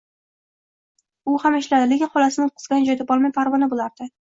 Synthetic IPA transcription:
ʊhamɪʃlad̪ɪle̞kʲɪnχɒlasɪnɪot̪̚qʰɨ̥zɡʲanɪd͡ʒɒjd̪abɒlˠmajpʰaɾvɒnabolaɾd̪̥ɪ

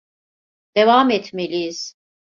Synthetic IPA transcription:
d̪̥e̞vamɛt̪ʰmelʲijiz̥

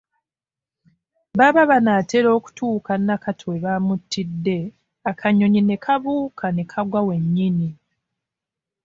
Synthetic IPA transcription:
βaβaβanaːtʰeɾo̞ːku̥tʰuːkanːakatʰweβamutːidːe̞ | akʰaɲo̞ɲine̞kʰaβuːkʰane̞kʰaɡwawe̞ɲːini

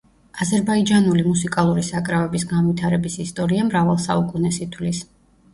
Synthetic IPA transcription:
azɛɾbaid͡ʒanulimusikʼalˠuɾisakʼɾavɛbisɡanvit̪ʰaɾɛbisist̪ʼɔɾiamɾavalˠsa̰ukʼunɛsit̪ʰwlis

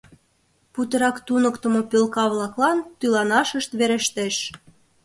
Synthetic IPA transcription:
put̪ɤ̆ɾɑkt̪unə̆kt̪ə̆mŏpølkɑβlɑklɑnt̪ylɑnɑʃəʃt̪βeɾeʃt̪eʃ

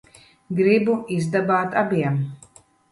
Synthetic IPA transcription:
ɡɾibuizd̪abaːt̪abʲiɛm

